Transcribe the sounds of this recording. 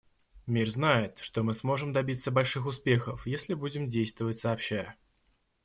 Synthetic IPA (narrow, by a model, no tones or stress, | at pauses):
mʲirznajɪt̪ʂt̪omɨsmo̞ʐɨmd̪ɐbʲit̪səbɐlʲʂɨxʊspʲe̞xəfjesʲlʲɪbudʲɪmdʲejst̪vəvətʲsəːpɕːæjə